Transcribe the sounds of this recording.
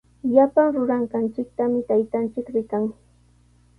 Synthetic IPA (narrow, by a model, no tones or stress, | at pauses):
ʎapaŋɾʊɾaɴɢɑnt͡ʃɪk̚t̪amɪt̪ajt̪ant͡ʃɪkɾɪkaŋ